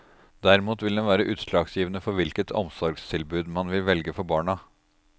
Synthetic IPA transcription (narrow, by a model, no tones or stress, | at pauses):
d̪æɾɪmuːt̪ʋɪld̪ɛnʋæːɾəʔʉːt̪ʂlɑːɡsjiːʋənəfɔɾʋɪlkət̪ʰɔ̰msɔɾɡst̪ʰɪlbʉːd̪mɑnʋɪlʋɛlɡəfɔɾbɑːɳɑ